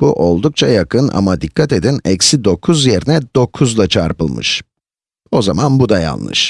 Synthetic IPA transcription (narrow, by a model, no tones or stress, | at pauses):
b̥uʔo̞lˠd̪uk̚t͡ʃʰajakʰɯnʔa̰mad̪ikːat̪e̞d̪inɛcsid̪o̞kʰuzje̞ɾinɛd̪o̞kʰuzlˠat͡ʃʰaɾpɯlˠmɯ̰ʃ | o̞zamanbud̪aja̰lˠnɯ̰ʃ